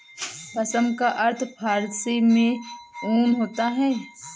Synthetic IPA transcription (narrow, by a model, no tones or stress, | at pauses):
pɐsəmkaʔɐɾt̪ʰpʰaːɾsemẽoːnɦoːt̪aɦɛː